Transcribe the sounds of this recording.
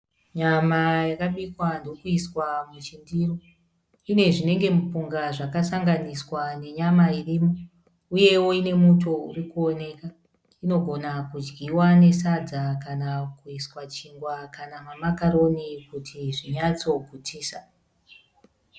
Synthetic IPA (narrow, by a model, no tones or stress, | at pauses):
ɲamajakaɓikwandokuiswamut͡ʃindiro | ine̞ʐine̞ŋɡe̞mupuŋɡaʐakasaŋɡaniswane̞ɲamairiːmo | uje̞wo̞ine̞mutʰo̞ṵrikuo̞ne̞ka | ino̞ɡʱo̞nakud͡ʒɡʱiwane̞sad͡zakanakuiswat͡ʃiŋɡwakanamamakaɾo̞nikutʰiʐiɲat͡so̞ɡʱutʰiːsa